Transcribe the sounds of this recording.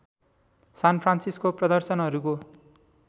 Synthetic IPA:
sanpʰransiskoprʌd̪ʌrsʌnɦʌɾuko

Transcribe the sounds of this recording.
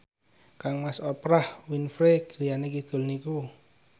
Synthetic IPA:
kaŋmasɔpɾahwinfɾeɡ̥ɾijanekid̪̥o̤lniku

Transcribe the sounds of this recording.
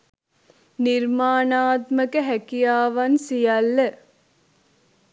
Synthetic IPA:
niɾmaːnaːt̪məkəɦɛkijaːʋɐnsijɐlːə

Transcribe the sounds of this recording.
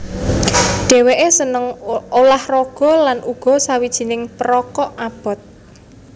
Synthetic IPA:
ɖ̥e̤weʔesənəŋolahrɔɡ̥ɔ̤lanʔuɡ̥ɔ̤sawid̥ʒ̥i̤nɪŋpəɾɔkɔʔab̥ɔ̤t̪̚

